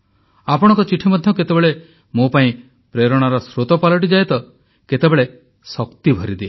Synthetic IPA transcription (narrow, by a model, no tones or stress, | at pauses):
apɔɽ̃ɔ̃ŋkɔt͡ʃiʈʰimɔd̪ʱjɔket̪ebeɭe | mopaĩ | pɾeɾɔɽ̃aɾɔsɾot̪ɔpalɔʈ̬id͡ʒajt̪ɔ | ket̪ebeɭe | sɔkt̪ibʱɔɾid̪ee